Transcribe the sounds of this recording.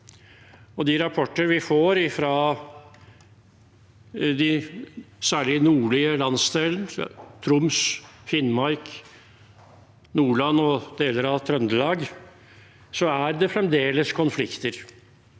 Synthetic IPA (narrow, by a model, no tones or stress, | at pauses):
ɔd̪ɪɾɑpʰɔʈːəɾʋɪfoːɾɪfɾɑ | d̪ɪ | sæːɭɪnuːɭɪəlɑnsd̪eːlənt̪ʰɾʊmsfɪnmɑɾk | nuːɭɑnːɔd̪̥eːləɾɑʋt̪ʰɾœnd̪əlɑːɡ | sɔæɾd̪ɛfɾɛmd̪eːləskʰɔnflɪkt̪əɾ